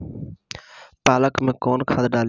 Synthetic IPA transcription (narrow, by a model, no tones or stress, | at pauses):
paːləkmẽːkoːnkʰãːd̪ɖaːl